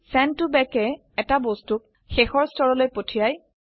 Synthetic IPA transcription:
sɛntubɛkɛ | ɛtabostuk̚ | xexɔɹstʰɔɹɔlojpotʰijaj

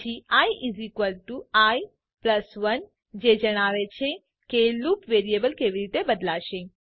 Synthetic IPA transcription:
t͡ʃiaːjʔizikʋəlʈuaːj | plɐsʋɐn | d͡ʒed͡ʒɐɽ̃aːʋet͡ʃʰe | keluːpʋeːɾiebəlkeːʋiɾit̪ebəd̪laːʃẽ

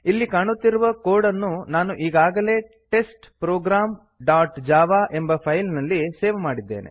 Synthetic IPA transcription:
ilːikaːɳut̪ːiɾuʋɐkoːɽɐnːunaːnuʔiːɡaːɡɐle̞ː | ʈe̞sʈpɾoːɡɾaːm | ɖaːʈd͡ʒaːʋaːʔe̞mbɐpʰɐjlnɐlːiseːʋɐmaːɽid̪ːeːnʔḛ

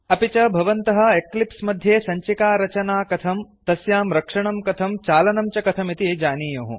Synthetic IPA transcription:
ɐpit͡ʃɐbʱɐʋɐnt̪ɐɦɐ̆eklipsmɐd̪ʱjeːsɐɲt͡ʃikaːɾɐt͡ʃɐnaːkɐt̪ʰɐmt̪ɐsjaːmɾɐkʂɐɳ̃ɐmkɐt̪ʰɐmt͡ʃaːlɐnɐmt͡ʃɐkɐt̪ʰɐmit̪id͡ʒaːniːjɐːɦṵ̃

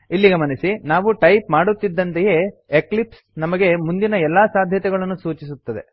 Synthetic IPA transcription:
ilːiɡɐmɐnɐsinaːʋuʈɐjpmaːɽut̪ːid̪ːɐnt̪eje̞ːeklips | nɐmɐɡe̞mund̪inɐɛlːaːsaːd̪ʱjɐt̪ɛɡɐɭɐnːusuːt͡ʃisut̪ːɐd̪e̞̰

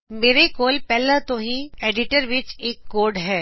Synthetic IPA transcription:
meːɾekoːlpɛːlat̪oɦĩeːɖɪʈəɾʋɪt͡ʃeːkːoːɖɦɛː

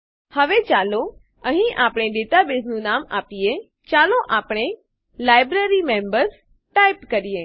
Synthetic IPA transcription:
həʋet͡ʃaːlo | ə̃ɦĩʔaːpɽ̃eɖeːt̪abeznũnaːmaːpije | t͡ʃaːloʔaːpɽ̃e | laːɪbɾeɾimẽːmbəɾz | ʈaːɪpkəɾijeː

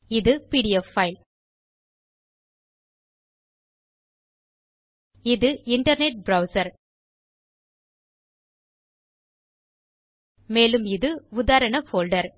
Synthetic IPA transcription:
ɪðɯpiːɽɪjɛfːɐɪl | ɪðɯʔɪɳʈɐɾneʈ̚bɾɐʊsɐɾ | meːlɯmɪðɯʊðaːɾɐɳɐfoːlɖɐɾ

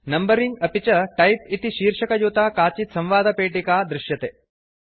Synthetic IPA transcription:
nɐmbɐɾiŋɡɐpit͡ʃɐʈɐjpit̪iʃiːɾʂɐkɐjuːt̪aːkaːt͡ʃit̪sɐ̃mʋaːd̪ʱɐpeːʈikaːd̪ɾɪʃjɐt̪eː

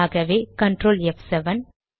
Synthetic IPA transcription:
ɣɐʋeːkɐɳʈɾoːlɛfsɛʋɐn

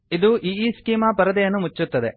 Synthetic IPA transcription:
id̪uʔiiːskiːmapɐɾɐd̪ɐjɐnːumut͡ʃːut̪ːɐd̪e

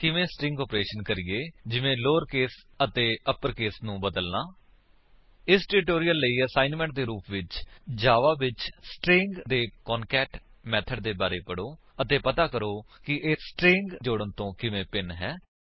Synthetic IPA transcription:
kɪʋẽːsʈɾɪ̃ŋɡɔːpɾeːʃənkəɾiːeːd͡ʒɪʋẽːloːɾkeːs | ət̪eːəpəɾkeːsnũːbəd̪əlnaː | ɪsʈɪɾɪʈoːɾijəlːəiːəsaːɪnmɛ̃ɳʈ̚d̪eːɾuːpʋɪt͡ʃd͡ʒaːʋaːʋɪt͡ʃsʈɾɪ̃ŋɡd̪eːkɔːnkɛːʈ | mɛːt̪ʰəɖ̚d̪eːbaːɾeːpəɽoː | ət̪eːpət̪aːkəɾoːkɪʔeːsʈɾɪ̃ŋɡd͡ʒoːɽənt̪õːkɪʋẽːpɪnɦɛː

